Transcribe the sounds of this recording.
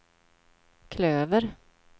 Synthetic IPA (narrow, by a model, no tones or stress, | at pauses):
kʰløːvəɾ